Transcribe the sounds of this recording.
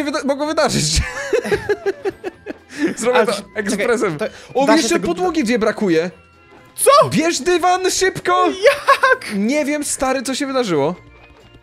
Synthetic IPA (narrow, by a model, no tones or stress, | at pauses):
ɛvmɔɡɔvɘd̪aʐɨ̰t͡ɕ | zɾɔbʲjɛt̪ɔɛkspɾɛsɛmɔjɛʂt͡ʂɛpɔd̪wuɡʲid͡ʑɛbɾakujɛ | t̪sɔbʲjɛʐd̪ɘvanʂɘpkɔjakɲɛvʲjɛmst̪aɾɘt̪sɔɕɛvɘd̪aʐɘwɔ